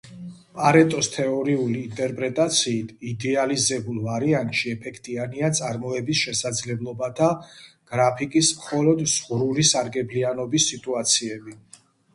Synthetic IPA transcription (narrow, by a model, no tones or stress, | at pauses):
pʼaɾɛt̪ʼɔst̪ʰɛɔɾiuliːnt̪ʼɛɾpʼɾɛt̪ʼat̪sʰiːt̪ʰid̪ɛalizɛbulˠvaɾiant̪ʼʃiɛpʰɛkʰt̪ʼianiat̪sʼaɾmɔɛbisʃɛsad̪zlɛblˠɔbat̪ʰaɡ̥ɾapʰikʼismχɔlɔd̪z̥ʁɾulisaɾɡɛblianɔbisːit̪ʼuat̪sʰiɛbi